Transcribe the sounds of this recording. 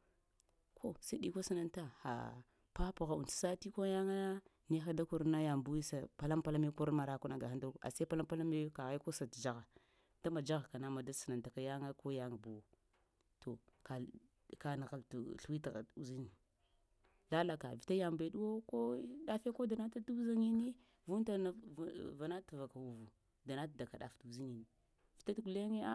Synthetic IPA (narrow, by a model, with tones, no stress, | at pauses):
kʰo˦sa˦di˦ko˦si˨na˦nta˦xa̰˨ | pa˦pu˨ɣa˨ṵ˨nti̥˨sa˦ti˦ko˦ja˦ŋa˦ni˦xa˦da˦ku˦ɾna˦ja˨mbu˦wi˦sa˨pa˨la˦mpa˦la˦me˦ku˦ɾma˨ɾa˦ku˦na˨ɡa˨a˦ndu˦ɾa̰˨sa˦pa˦la˦mpa˦la˦me˦ka˨ɣa˦ko˦sa˨td͡ʒa˦ɣa˨ | d̥a˦ma˨d͡ʒa˦ɣa˨ka˨na˦ma˨da˦sə˨na˨nta˨ka˨ja˦ŋa˦ko˦ja˦ŋa˨bu˨wo˨ | to˨ka˨ | ka˨na˨ɣa˨ltu˨ɬu˦wi˦tɣa̰˨u˨zi˦ni˨ | la˦la˨ka˨vi˨ta˦ja˨mbe˨ɗu˦wo˦ko˦da˦fe˦ko˦da˨na˦ta˦tu˦za˦ŋi˦ni˦ | vu˦n˦ta˦na˨va˨na˦tu˨va˨ka˨wu˨vu˨ | da˨na˦ta˨da˨ka˨ɗa̰˨ftu˨zi˦ni˨ni˨ | vi˨ta˦tɡu˨le˦ŋe˦a˦